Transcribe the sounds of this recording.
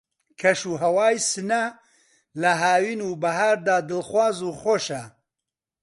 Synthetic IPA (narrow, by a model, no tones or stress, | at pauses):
kʰɐʃuːɦɐwaːjsɨnɐ | lɐɦaːwiːnuːbɐɦaːɾd̪aːd̪ɨlxwaːzuːχoːʃɐ